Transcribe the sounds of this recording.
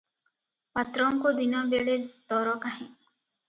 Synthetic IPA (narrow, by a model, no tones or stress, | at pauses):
pat̪ɾɔŋkod̪inɔbeɭed̪ɔɾɔkaɦẽ